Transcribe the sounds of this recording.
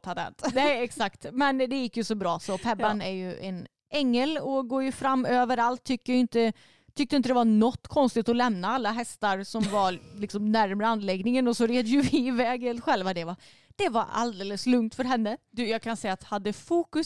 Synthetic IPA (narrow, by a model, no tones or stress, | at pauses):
t̪ʰad̪ɛ̰nt̪nɛɛksakt̪mɛnd̪ɛjɪkːjɵsɔbɾɑːsɔpʰɛbːanæɾjɵʔɛn | ɛŋːəlɔɡoːɾjɵfɾamːøːvəɾalt̪ʰːʏkːəɾjɪnt̪ə | t̪ʰʏk̚t̪əɪnt̪əd̪ɛvanɔt̪ːkʰɔnst̪ɪɡt̪ɔlɛmnaalːaɦɛst̪aɾsɔmvaɾlɪksɔmnæɾmɾəanːlɛɡnɪŋənɔsɔɾeːd̪əjɵvɪːvɛːɡəlɧɛlvad̪ɛva | d̪̥ɛvaɾa̰ld̪eːləslɵŋkt̪fœɾɦɛnːəd̪ʉjɑːɡkʰansɛjːat̪had̪ːəfuːkɵs